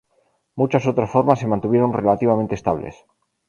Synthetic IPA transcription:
mut͡ʃasot̪ɾasfo̞ɾmasːemãnt̪uβje̞ɾo̞nre̞lat̪iβ̞ament̪est̪aβlḛs

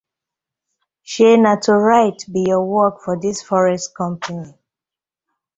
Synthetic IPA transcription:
ʃenatʰuɹaɪtbijɔwɔkfɔdisfɔɹɛstkɔ̃mpʰani

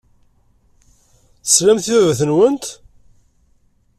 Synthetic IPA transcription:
θə̥slæmθiævæθənwənt̪

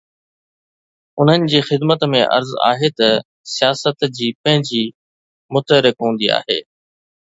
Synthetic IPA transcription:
ʊn̤ənɪ̆d͡ʑiːxɪd̪mət̪mḛ̃ʔɐ̰ɾza̰ːɦet̪ɐ | sijaːsət̪d͡ʑiːpɐ̃ɦɪ̃ɲd͡ʑiː | mʊt̪əɾɪkɦũːnd̪ia̰ːɦḛː

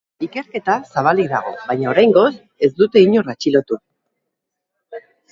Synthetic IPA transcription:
ike̞ɾke̞t̪asaβ̞aliðaɣ̞o̞̰βajɲao̞ɾajŋɡo̞s | e̞zd̪ut̪e̞iɲo̞rat͡ʃilo̞t̪un

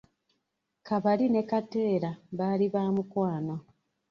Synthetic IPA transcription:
kaβaline̞kate̞ːɾaβaːliβaːmukwaːno

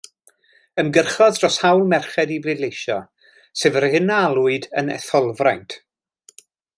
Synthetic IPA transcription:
əmɡərχɔðrɔshawlˠmɛrχɛdiblɪdlejʃɔ | seːvərhɪnalˠʊɨdənɛ̰θɔlˠvrajntʰ

